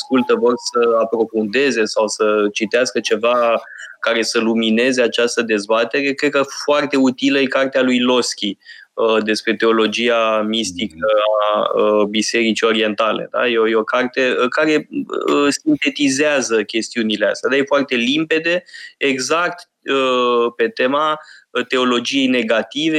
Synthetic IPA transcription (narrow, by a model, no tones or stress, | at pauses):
askult̪əvo̞rsəapɾo̞fund̪e̞ze̞sawsət͡ʃit̪easkət͡ʃe̞vakaɾe̞səlumine̞ze̞at͡ʃast̪əd̪e̞zbat̪e̞ɾe̞kɾed̪̚kəfoart̪e̞ut̪iləjekart̪ealujlo̞skʲi | əd̪e̞spɾe̞t̪e̞o̞lo̞d͡ʒiamist̪ikəaəbise̞ɾit͡ʃio̞ɾie̞nt̪ale̞̰d̪a̰jeojeo̞kart̪eəkaɾe̞ | sint̪e̞t̪izeazəkʲe̞st̪iunile̞a̰st̪ʲjad̪ajefoart̪e̞limpe̞d̪e̞eɡzak̚t̪ | əpe̞t̪e̞mat̪e̞o̞lo̞d͡ʒije̞jne̞ɡat̪ive